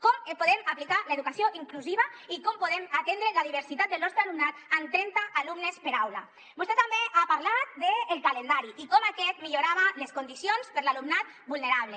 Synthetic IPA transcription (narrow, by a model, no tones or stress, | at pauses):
kɔmepoðemaplikalaeðukasjoʔiŋkluziβ̞aikɔmpoðemat̪end̪ɾelaðiβ̞eɾsit̪at̪̚d̪elnɔst̪ɾealumnat̪ant̪ɾɛnt̪aalumnespeɾawla̰ | bust̪et̪ambeʔapaɾlat̪̚d̪eːlˠkalend̪aɾiikɔmakɛt̪miʎoɾaβ̞aleskond̪isionspəɾlalumnat̪̚ | bulˠneɾaβle